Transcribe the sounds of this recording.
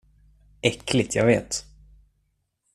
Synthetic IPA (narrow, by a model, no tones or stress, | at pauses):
ɛkːlɪɡt̪ʰjɑ̰ːɡveːt̪